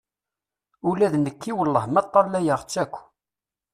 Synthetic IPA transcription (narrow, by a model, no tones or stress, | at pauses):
ulæðnəkːiwəlːəhmæt̪ˤːɑlːæjəʁt͡sːækʷː